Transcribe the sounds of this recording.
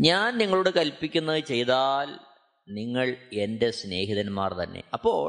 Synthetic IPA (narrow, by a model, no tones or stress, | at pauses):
ɲaːnniŋːɐɭuɽekɐlpːikʲːunːɐðɨt͡ɕe̞jt̪aːl | niŋːɐɭe̞nde̞sne̞ːɦiðɐnma̰ːrt̪ɐnːe̞̰ɐpːo̞̰ːɭ